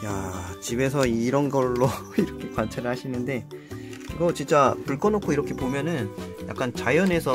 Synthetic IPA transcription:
jat͡ɕibe̞s̬ʰʌiɾʌnɡʌɭːoiɾʌkʰe̞kwant͡ɕʰeɾɯɭhaɕʰinɯnde̞ | iɡʌt͡ɕint͡ɕ͈apuɭk͈ʌnokʰoiɾʌkʰe̞pomjʌnɯnja̰k͈ant͡ɕajʌne̞sʰʌ

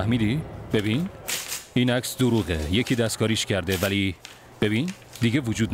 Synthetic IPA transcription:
æhmiːd̪ib̥e̞biːn | iːnæcsd̪oɾuːɣejecʰiːd̪æst̪kʰɒːɾiːʃcʰæɾd̪evæli | b̥e̞biːn | d̪iɟevud͡ʒuːd̪n

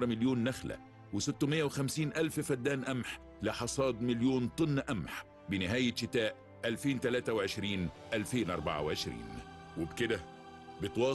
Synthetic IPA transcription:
ɾˤmɪljoːnːæxlæ̰ | wɪsɪt̪ːʊmɪjːæwɪxæmsiːnʔælffæd̪ːæːnʔæmħ | lɪħɑsˤɑːd̪mɪljoːnt̪ˤɨnːʔæmħ | bɪnɪɦæːjɪʃɪt̪æːʔ | ʔælfeːnt̪ælæːt̪æwʕɪʃɾiːnʔælfeːnʔɑ̰ɾˤba̰ʕa̰wʕɪʃɾḭːn | wɪbkɪd̪æ | bɪt̪wɑː

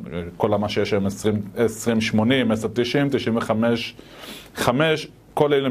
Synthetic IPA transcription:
kolamaʃejeʃemesʁimesʁimʃmonimeseʁt̪iʃimt̪iʃinveχameʃ | χameʃ | kolelu

